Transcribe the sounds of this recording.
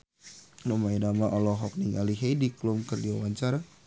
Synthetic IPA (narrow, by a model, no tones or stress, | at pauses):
nɔmainamaʔɔlɔɦɔk̚niŋaliɦejdiklʊmkərdiwawaɲt͡ʃaɾa